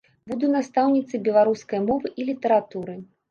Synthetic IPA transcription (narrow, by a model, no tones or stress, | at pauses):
bud̪unast̪awnʲit̪sɨbʲɛlˠaɾuskɐjɐmɔvɨʔilʲit̪ɛɾat̪uɾɨ